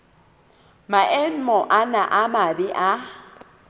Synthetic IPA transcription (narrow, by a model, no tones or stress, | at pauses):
maʔen̩mɔʔanaʔamabɪʔa